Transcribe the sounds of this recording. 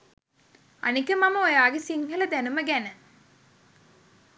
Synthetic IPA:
ɐ̰nikʲːɨmɐmɐojaːɡisiŋɡɐlɐd̪ɛnumɐɡenɐ

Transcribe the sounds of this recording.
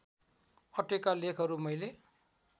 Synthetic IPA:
ʌʈekalekʰʌɾumʌjle

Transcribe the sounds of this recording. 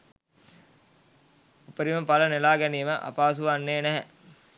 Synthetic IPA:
upəɾiməpalənelaːɡɛniːməʔa̰paːs̬uʋanːeːnæɦɛ

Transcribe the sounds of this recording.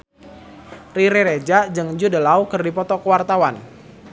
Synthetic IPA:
riɾeɾed͡ʒad͡ʒɨŋd͡ʒudəlawkɨrdipɔt̪ɔkəwart̪awan

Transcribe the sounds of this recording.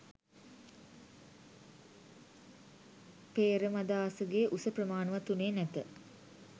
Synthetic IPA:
peːɾəmad̪aːsəɡeːʔusəprəmaːnəʋat̪uneːnæt̪ə

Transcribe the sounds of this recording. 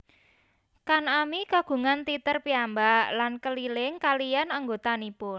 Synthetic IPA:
kanamikaɡ̥ṳŋant̪it̪ərpiambaʔlankəlilɪŋkalijanaŋɡot̪anipʊn

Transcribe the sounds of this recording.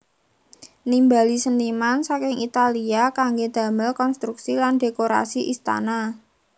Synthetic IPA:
nimbalisənimansakɪŋit̪aliakaŋɡed̪̥ä̤mɪlkɔnst̪ɾuksilanɖe̤koɾa̰siʔist̪a̰na

